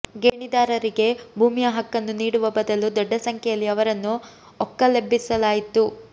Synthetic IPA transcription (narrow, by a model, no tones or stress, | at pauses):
ɡeːɳid̪aːɾɐɾiɡe̞bʱuːmijɐɦɐkːɐnːuniːɽuʋɐbɐd̪ɐlud̪ɔɖːɐsɐŋkʰɛjɐlːiɐʋɐɾɐnːu | ɔkːɐlebʱːisɐlaːjit̪u